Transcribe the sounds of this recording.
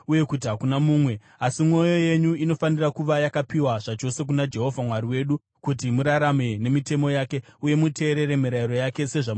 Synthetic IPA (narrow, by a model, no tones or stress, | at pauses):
uje̞kut̬iɦakunamuːmwe̞ | asimŋo̞jo̞je̞ɲuino̞fanirakuʋajakapiwaʐat͡ʃo̞se̞k̬unad͡ʒe̞ɦo̞vʱamwaɾiwe̞ːɗu | kut̬imuɾaɾame̞ne̞mite̞mo̞jaːke̞uje̞mute̞ːɾe̞ɾe̞miɾaiɾo̞jake̞se̞ʐa